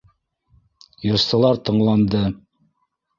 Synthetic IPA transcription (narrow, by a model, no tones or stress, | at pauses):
jɤ̆ɾsɤ̆lˠɑɾt̪ɤ̆ɴlˠɑnd̪ɤ